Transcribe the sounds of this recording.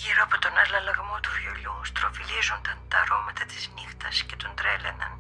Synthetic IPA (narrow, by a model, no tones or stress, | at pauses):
ʝiɾoɐpot̪o̞nɐlɐlɐɣmo̞t̪ufiolust̪ɾo̞filizont̪ɐnt̪ɐɾo̞mɐt̪ɐt̪iznixt̪ɐsce̞t̪o̞nd̪ɾelḛnɐ̰n